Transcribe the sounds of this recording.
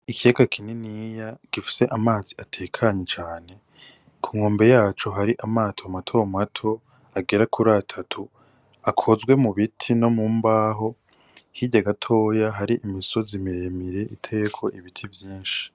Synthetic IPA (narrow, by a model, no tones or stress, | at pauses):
ikijaɡakʰininijaɡ̥ifi̥se̞ʔamaːziatʰe̞ːkʰaɲet͡ʃaːne̞ | kʰuŋoːmbe̞jaːt͡ʃoɦaɾiʔamaːtʰomatʰo̞matʰo̞ | aɡeɾakʰuɾatʰatʰu | akʰo̞zɡwe̞muβitʰino̞muːmbaːɦo̞ | hiɟaɡatʰo̞ːjaɦaɾiʔimiso̞zimiɾe̞miɾe̞ʔitʰe̞kʰo̞ʔiβitʰivjiːnʃi̥